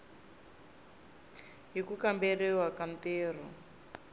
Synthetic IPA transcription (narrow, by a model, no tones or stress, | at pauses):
ɦikukamberɛwakanteːr̤ɔ̰